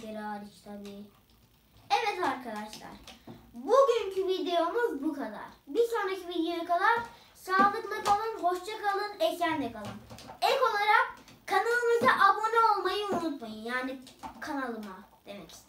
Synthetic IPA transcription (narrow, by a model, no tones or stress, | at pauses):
eɾaːɾit͡ʃt̪ʰad̪i | ɛvɛt̪aɾkʰad̪aʃlˠa̰ɾ̥buɟyɲcʰyvid̪ejo̞muzbukʰad̪a̰ɾ̥bisoːnɾacʰivid̪ejojakʰalˠaɾ | saːlˠɯklakalˠɯnho̞ʃt͡ʃakalˠɯnɛcænd̪ɛkʰalˠɯnɛko̞lˠaɾak̚ʰːanalˠɯmɯzaʔabo̞nao̞lˠmajɯunut̪majɯjaːnikʰanalˠɯmad̪̥e̞mɛcʰi̥st̪